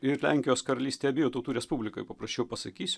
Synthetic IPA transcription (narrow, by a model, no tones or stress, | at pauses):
ɪɾlʲæ̰ŋʲkʲɪjoːskɐɾɐlʲiːst̪ʲeɛbʲɪjoːt̪ɐʊt̪uːɾʲɛspubʲlʲɪko̰jpɐpɾɐsʲt͡ʃʲɛʊpɐsɐkʲiːsʲʊ